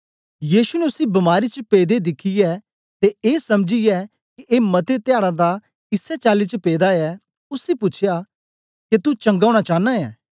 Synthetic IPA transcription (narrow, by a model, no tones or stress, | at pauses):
jiːsunɛʊsĩbɐmaːɾit͡ʃəpeːd̪ed̪ɪkʰijɛː | t̪eeːsɐmd͡ʒijɛ | kiʔeːmɐt̪et̪ɪjaːɽad̪a | ɪsɛt͡ʃaːlit͡ʃəpeːd̪aɛ | ʊsipʊt͡ʃʰja | ket̪ut͡ʃɐ̃ŋɡaːɽ̃at͡ʃaːnaɛ̰ː